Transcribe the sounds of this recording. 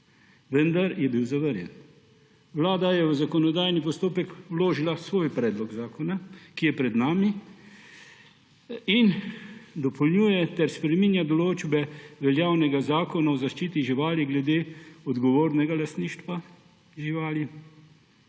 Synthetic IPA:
ʋənd̪aɾjɛbiwzaʋəɾjɛ̰n | ʋlaːd̪ajɛʋəzakɔnɔd̪aːjnipɔst̪oːpɛkwloːʒilasʋoːjpɾɛːd̪lɔɡzaːkɔnakijɛpɾɛd̪naːmi | ind̪ɔpʰɔlnjuːjɛt̪ɛɾspɾɛmiːnjad̪ɔloːd͡ʒbɛʋɛljaːwnɛɡazaːkɔnaɔzaʃt͡ʃiːt̪iʒiʋaːliɡlɛd̪eːɔd̪ɡɔʋoːɾnɛɡalast̪niːʃt̪ʋa | ʒiʋaːli

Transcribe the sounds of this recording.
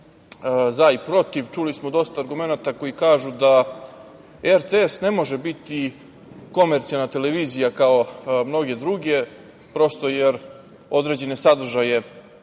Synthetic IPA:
zaipɾo̞t̪iʋt͡ʃulismod̪o̞st̪aːɾɡume̞nat̪ako̞jikaːʒud̪a | eɾt̪eesne̞mo̞ʒebit̪i | ko̞meɾt̪sijalnat̪e̞le̞ʋiːzijakao̞mno̞ɡe̞d̪ɾuɡe̞ | pɾo̞st̪o̞jeɾ | o̞d̪ɾed͡ʑe̞ne̞sad̪r̩ʒaje̞

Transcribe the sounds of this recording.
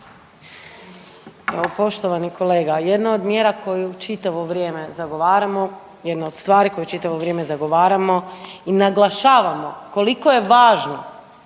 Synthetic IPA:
eʋopo̞ʃt̪o̞ʋanikʰo̞leːɡaje̞d̪nood̪mjeːɾakʰo̞jut͡ʃit̪aʋo̞ʋɾjeːme̞zaɡo̞ʋaːɾamo̞ | jed̪nood̪st̪ʋaːɾiko̞jut͡ʃit̪aʋo̞ʋɾʲje̞ːme̞zaɡo̞ʋaːɾamo̞inaɡlˠaʃaːʋamo̞ko̞liko̞je̞ʋaːʒno̞

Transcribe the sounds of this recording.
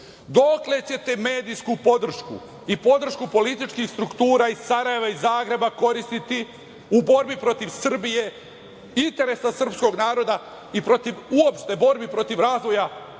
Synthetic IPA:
d̪o̞kle̞t͡ɕe̞t̪e̞me̞ːd̪ijskupo̞d̪r̩ʃkṵ | ipo̞d̪r̩ʃkupo̞lit̪it͡ʃkixst̪ɾukt̪uːɾaːisaɾaje̞ʋaizaːɡɾe̞bako̞ɾist̪it̪i | ubo̞ɾbipɾo̞t̪iʋsr̩bije̞ | int̪e̞ɾe̞sasr̩psko̞ɡnaːɾo̞d̪a | ipɾo̞t̪iʋuo̞pʃt̪e̞bo̞ɾbipɾo̞t̪iʋɾaːzʋo̞ja

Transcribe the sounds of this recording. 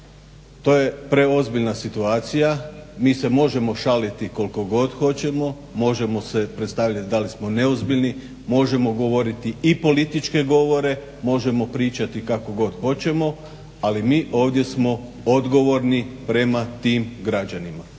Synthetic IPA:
t̪o̞ːje̞pɾe̞o̞zbiʎnasit̪uaːt̪sijamiːse̞mo̞ʒe̞mo̞ʃalit̪iko̞lko̞ɡo̞d̪xo̞t͡ɕe̞mo̞ | mo̞ʒe̞mo̞se̞pɾet̪st̪aʋʎat̪id̪alismo̞ne̞ozbiʎʲni | mo̞ʒe̞mo̞ɡo̞ʋo̞ɾit̪iipo̞lit̪it͡ʃke̞ɡo̞ʋo̞ɾe̞ | mo̞ʒe̞mo̞pɾiːt͡ʃat̪ikako̞ɡo̞d̪xo̞t͡ɕe̞mo̞ | alimiːʔo̞ːʋd̪je̞smo̞ | o̞d̪ɡo̞ʋo̞ɾnipɾe̞mat̪iːmɡɾad͡ʑanima

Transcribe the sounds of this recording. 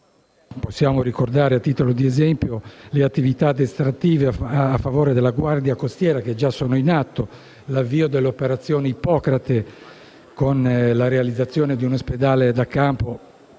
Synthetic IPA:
posːjaːmorikord̪aːɾeat̪ːiːt̪olod̪iezɛmpjoleat̪ːivit̪ad̪est̪ɾat̪ːiːveafːavoːɾed̪elːaɡward̪jakost̪jɛːɾaked͡ʒasoːnoinat̪ːo | lavːiːod̪elːeopeɾat̪sːjoːneipɔːkɾat̪e | konlaɾealid̪zːat̪sːjɔːned̪iunosped̪aːled̪akːampo

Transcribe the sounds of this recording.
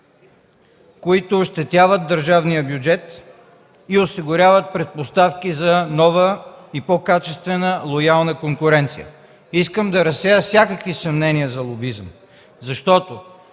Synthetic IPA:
koit̪ʊːʃt̪ɛt̪ʲavəd̪̚d̪əɾʒavnijəbjʊd͡ʒɛt̪ | iosiɡʊɾʲavət̪̚pɾɛt̪̚post̪afkizɐnɔvəipokat͡ʃɛst̪vɛnəlˠojalˠnəkoŋkʊɾɛnt̪sḭjə̰ | iskəmd̪ɐɾɐsɛjəfsʲakəkvisɐmnɛniəzɐlˠobizəm | zɐʃt̪ɔt̪o

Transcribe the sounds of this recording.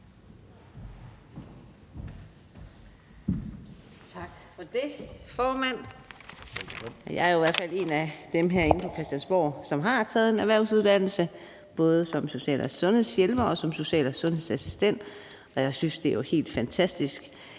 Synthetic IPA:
t͡sʰɑ̈ɡ̥fɒ̽d̥e̝fɒːmæn̰ | jɑ̈ɪæɐoiʋæɐ̥fæle̝ːnæd̥emɦeɐe̝n̩pʰɒ̽kʰʁɛsd̥jænsb̥ɒ̰ːsɒ̽mɦɑ̈t͡sʰɛːð̩ˠe̝næʋæɐʊsuð̞ˠd̥æn̰l̩sə | b̥ɔ̽ːð̞ˠəsɒ̽mso̝ɕɛ̰ːlʔɒsɔ̽nhe̝ð̰ˠsjelb̥ɐɒ̽sɒ̽mso̝ɕɛ̰ːlsɔ̽nhe̝ðˠsæsi̥sd̥en̰d̥ | ɒ̽jɑ̈ɪsynsd̥e̝johe̝̰ːld̥fænt͡sʰæsd̥isɡ̥

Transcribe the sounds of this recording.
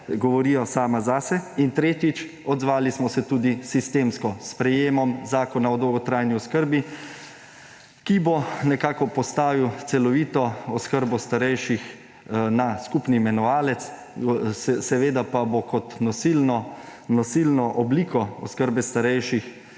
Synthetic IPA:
ɡɔʋɔɾijɔsaːmazasɛint̪ɾeːt̪jit͡ʃ | ɔd̪zʋaːlismɔsɛt̪uːd̪isist̪eːmskɔspɾɛjeːmɔmzaːkɔnaɔd̪owɡɔt̪ɾajniɔskəɾbi | kibonɛkaːkɔpɔst̪aːʋiwt̪sɛlɔʋiːt̪ɔɔskəɾbɔst̪aɾɛjʃix | naskupniːmɛnɔʋaːlɛt̪s | sɛsɛʋeːd̪apabokɔt̪nɔsilnɔnɔsilnɔʔɔbliːkɔɔskəɾbɛst̪aɾɛjʃix

